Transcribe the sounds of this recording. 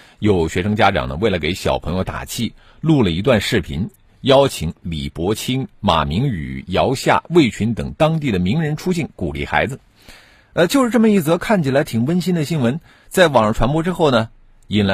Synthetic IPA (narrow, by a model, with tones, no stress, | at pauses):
jo˨˩ʊɕɥɛ˧˥ʂɤ˥ŋt͡ɕja˥ʈ͡ʂɑ̰˨˩ŋnə̰˦we˥˩ɪlə˩ke˧˥ɪɕjɑ̰˨˩ʊpʰɤ˧˥ŋjo˧t̪a̰˨˩t͡ɕʰi˥˧ | lu˥˩lə˩i˧˥t̪̬wa˥˧nʂɻ̩˥˩pʰḭ˧˥n | jɑ˥ʊt͡ɕʰi˨˧˩ŋlḭ˨˩pwɔ˧˥t͡ɕʰi˥nma̰˨˩mi˧˥ŋy̰˨˩jɑ˧˥ʊɕja̰˥˩we˥˩ɪt͡ɕʰy˧˥nt̪ɤ̰˨˩ŋt̪ɑ˥ŋt̪̬i˥˩d̪ə˩mi˧˥ŋɻə˧˥nʈ͡ʂʰu˥ɕi˥˩nku˨˩lḭ˥˩xa̰˧˥ɪd͡zɹ̩˧ | ə˧t͡ɕjo˥˧ʊʂɻ̩˥ʈ͡ʂɤ˥˩mə˩i˥˩t͡sɤ˧˥kʰa˥˩nt͡ɕʰi˩la˧˥ɪt̪ʰi˨˩ŋwə˥nɕi˥nd̪ə˨ɕi˥nwə˧˥n | t͡sa˥˩ɪwɑ˨˩ŋʂʈ͡ʂʰwa˧˥npwɔ˥ʈ͡ʂɻ̩˥xo˥˩ʊnə˩ | i˨˩nla˧˥